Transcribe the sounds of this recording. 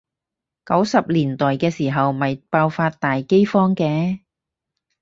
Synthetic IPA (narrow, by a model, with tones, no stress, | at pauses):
kɐ˨˥wsɐ˨p̚liː˨˩nt̪ɔː˨jkɛː˧siː˨˩ɦɐ˨wmɐ˨jpaː˧wfaː˧t̚t̪aː˨jke˥jfɔː˥ŋkɛː˧